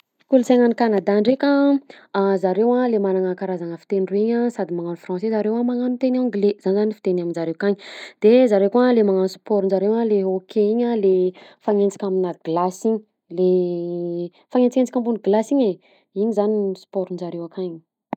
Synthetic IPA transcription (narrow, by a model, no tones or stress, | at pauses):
kulusaŋanikanad̪aɳɖ͡ʐekə | zaɾewalemanaŋəkaɾazaŋəfi̥t̪enireiɲəsad̪imaŋanfrɑ̃sezaɾewamaŋanut̪eniãŋɡlez̥anizanifit̪enaminzaɾewkaɲid̪̥ezaɾewkuəlemaŋanusi̥pɔɾunzaɾewaleokʰeiɲəlefaŋent͡si̥kʲaminəɡlasiɲi | le | faŋent͡sikent͡si̥kʲambuniɡlasiɲe | iɲizaniispɔɾunzaɾewakaɲ